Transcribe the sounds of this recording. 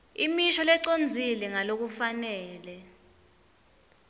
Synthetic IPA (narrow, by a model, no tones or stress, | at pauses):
imiʃɔlɛǀond͡zʱilɛŋalok̬ufanɛːlɛ